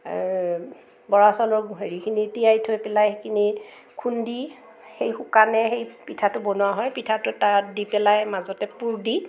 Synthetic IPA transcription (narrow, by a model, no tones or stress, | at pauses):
bɔɹasɔlɔɹɡuɦeɹikʰinitijajtʰojpɛlajkʰini | kʰundi | xejxʊkanɛxejpitʰatʊbɔnʊwaɦɔjpitʰatʊtadipɛlajmazɔtɛpuɹdi